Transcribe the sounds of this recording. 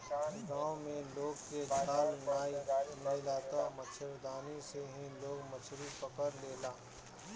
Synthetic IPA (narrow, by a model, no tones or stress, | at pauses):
ɡãːwmẽloːɡ̚ked͡ʒʱaːlnaːimeːlaːt̪amət͡ʃʰəɾd̪aːniseɦĩloːɡmət͡ʃʰɾipəkəɾleːlaː